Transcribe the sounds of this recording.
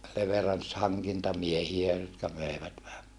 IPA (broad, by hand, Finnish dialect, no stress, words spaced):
leʋerɑns hɑŋkintɑmiehiæ jotkɑ møeʋæt ʋæhæ